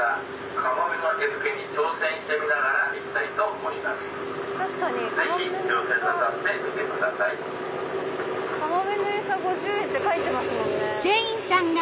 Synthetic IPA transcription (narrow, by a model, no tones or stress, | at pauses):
a | kʰamamenak̪eɾɯkeɲ̟it͡ɕo̞ːsẽ̞ɰ̃ɕi̥t̪emʲinaɡaɾaʔikʲi̥t̪ait̪o̞omoimasɨ̥ | t̪aɕi̥kaɲ̟izeçit͡ɕoːsẽat̪at̪emit̪ekɯ̟d̪asai | kamamenoeːsaɡo̞ʑɨːẽ̞nt̪e̞kait̪ːe̞masɨmõ̞nez̥eĩɰsãŋɡa